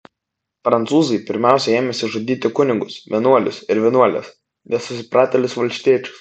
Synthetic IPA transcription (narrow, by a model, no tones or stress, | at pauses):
pɾɐnt̪suːzɐɪpʲɪɾʲmʲæˑʊsʲɛeːmʲɛsʲɪʒɐd̪ʲiːt̪ʲɪkʊnʲɪɡʊsʋʲiɛnuɔlʲʊ̰sɪɾʋʲiɛnuɔlʲɛ̰s | nʲɛsʊsʲɪpɾɑːt̪ʲɛlʲɪsʋɐlʲsʲt̪ʲiɛt͡ʃʲʊ̥s